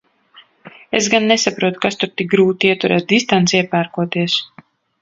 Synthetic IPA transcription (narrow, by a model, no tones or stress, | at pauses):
eszɡanːesapɾuɔt̪u̥kast̪uɾt̪ik̚ɡɾuːt̪iiɛt̪uɾɛ̰ːt̪̚d̪ist̪ansiɛpæːɾkuɔt̪iɛs